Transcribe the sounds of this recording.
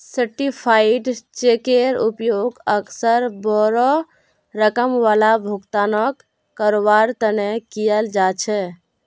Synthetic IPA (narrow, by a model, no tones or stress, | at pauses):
səɾʈipʰaiɖt͡ʃekeɾupjoɡəksəɾbɔɾɔ | ɾəkəmʋalabʱuɡt̪anəkː | əɾoβaɾt̪ənekijəld͡ʒat͡ʃʰɛ